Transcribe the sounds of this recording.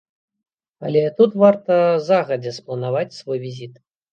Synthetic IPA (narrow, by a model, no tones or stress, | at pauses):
ɐlʲɛt̪ut̪vart̪ɐzaɣɐd͡zʲɛsplˠɐnavat͡sʲsvojvʲizʲit̪